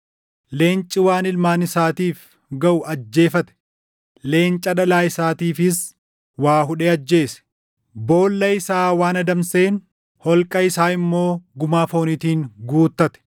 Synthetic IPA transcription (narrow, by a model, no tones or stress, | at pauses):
le̞ːnt͡ʃʼɪwaːnɪlmaːnɪsaːt̪iːf | ɡɐʔʊʔɐd͡ʒːe̞ːfɐt̪ɛ̥ | le̞ːnt͡ʃʼɐᶑɐlaːɪsaːt̪iːfɪs | waːɦʊᶑeːɐd͡ʒːe̞ːsɛ̥ | bo̞ːlːɐɪsaːwaːnɐd̪ɐmseːn | hɔlkʼɐɪsaːɪmːo̞ːɡʊmaːfo̞ːnɪt̪iːŋɡuːt̪ːɐt̪ɛ̥